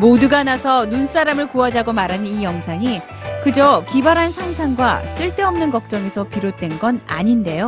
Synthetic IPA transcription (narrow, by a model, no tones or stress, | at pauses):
moduɡanasʰʌnuns͈aɾamɯɭkuad͡ʑaɡomaɾɦanɯnijʌŋsʰaŋi | kɯd͡ʑokibaɾɦansʰaŋsʰaŋɡwas͈ɯɭt͈e̞ʌmnɯnkʌk̚t͡ɕ͈ʌŋe̞sʰʌpiɾot͈we̞nɡʌna̰ɲinde̞jo